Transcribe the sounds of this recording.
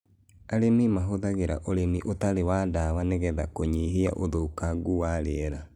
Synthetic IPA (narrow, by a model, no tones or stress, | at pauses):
aɾemimaɦoðaɣeɾa̰ʔoɾemiʔotaɾewadawaneɣɛðakoɲiɦia̰ʔoðoukaɡuwaɾeɛɾa